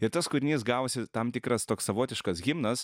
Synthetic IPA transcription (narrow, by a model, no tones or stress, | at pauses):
ɪɾt̪ɐskʊɾʲɪnʲiɪsɡɑːʋoːsʲɪt̪ɐmt̪ʲɪkɾɐst̪oːksɐʋoːt̪ʲɪʃkɐsɡʲɪmnɐs